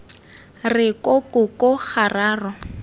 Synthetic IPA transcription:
rɪkokʊkoχaraːrɔ

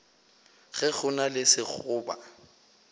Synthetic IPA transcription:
ɣɛɣʊnalɪsɪk͡xʰʊːba̰

